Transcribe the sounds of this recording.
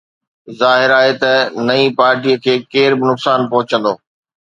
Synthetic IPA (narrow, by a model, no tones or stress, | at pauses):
zaːɦɪɾaːɦet̪ɐnɐĩpaːɾʈijəkʰeːkeːɾbɪnʊksaːnpɐɦʊt͡ɕə̃nd̪oː